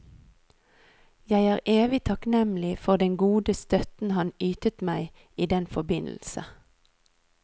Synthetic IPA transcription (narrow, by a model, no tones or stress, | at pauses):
jæɪæːʁʔeːʋɪt̪ʰɑknɛml̩ɪfɔʁd̪ɛŋɡuːd̪əst̪œt̪n̩hɑnyːt̪ət̪mæɪ | iːd̪ɛnfɔbɪnl̩sə̰